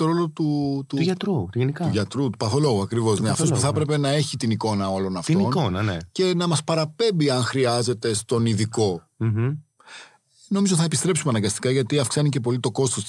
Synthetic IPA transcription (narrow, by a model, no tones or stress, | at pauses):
t̪o̞ɾo̞lot̪ut̪uʝɐt̪ɾuʝenikɐuʝɐt̪ɾut̪u̥pɐθolo̞ɣuɐkɾivo̞zneɐft̪o̞suθɐpɾe̞pe̞nɐe̞çit̪iniko̞nɐo̞lo̞nɐft̪inio̞nkonɐnece̞nɐmɐspɐɾɐpe̞mbiɐnxɾiɐze̞t̪e̞st̪o̞niðiko̞ | no̞mizoθɐepist̪ɾe̞psumɐnɐŋɡɐst̪i̥kɐʝɐt̪iɐfksɐnice̞p̬o̞lit̪o̞ko̞st̪os